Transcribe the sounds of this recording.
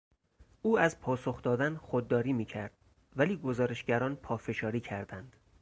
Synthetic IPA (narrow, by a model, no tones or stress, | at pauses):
uːæzpʰɒːso̞xd̪ɒːd̪ænxod̪ːɒːɾiːmiːcʰæɾd̪̥ | væliːɡo̞zɒːɾe̞ʃɟæɾɒːnpʰɒːfe̞ʃɒːɾiːcʰæɾd̪ænd̪̥